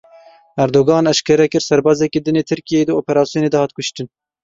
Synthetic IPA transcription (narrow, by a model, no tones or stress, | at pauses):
æɾd̪oːɡɑːnɛʃkɛɾɛkɨɾsɛɾbɑːzɛkid̪ɨneːt̪ʰɨɾkijed̪ɨoːpɛɾɑːsijoːneːd̪ɛhɑːt̪̚kʊʃt̪ɨn